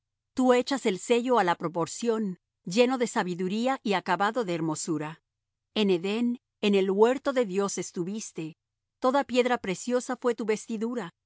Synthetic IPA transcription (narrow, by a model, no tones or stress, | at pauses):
t̪ue̞t͡ʃase̞lse̞ʝo̞alapɾo̞po̞ɾsjo̞n | d͡ʒe̞no̞ðe̞saβiðuɾiaʔiakaβaðo̞ðeːɾmo̞suɾa | ene̞ðe̞n | ene̞lwe̞ɾt̪o̞ðe̞ðjo̞se̞st̪uβist̪e̞ | t̪o̞ðapje̞ðɾapɾe̞sjo̞safwe̞t̪uβe̞st̪iðuɾa